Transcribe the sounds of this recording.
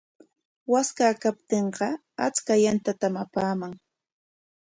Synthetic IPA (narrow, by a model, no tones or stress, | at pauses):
waskakap̚t̪eɴɢɑ | a̰t͡skajant̪at̪amapaːmaŋ